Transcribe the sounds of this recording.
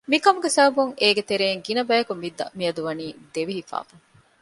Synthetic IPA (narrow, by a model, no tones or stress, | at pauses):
mikɐmuɡesɐɦɐbuŋeːɡet̪eɾeːŋɡinɐbæjɐkumʋid̪ːɐ̰miɐd̪uʋɐniːd̪eʋiɦifa̰ːfɐŋ